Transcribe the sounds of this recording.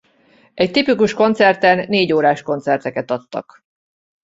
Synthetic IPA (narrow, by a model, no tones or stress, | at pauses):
ɛc̚t̪ipikuʃko̞nt̪sɛrt̪ɛnːeːɟoːɾaːʃko̞nt̪sɛrt̪ɛkɛt̪ɒt̪ːɒ̰k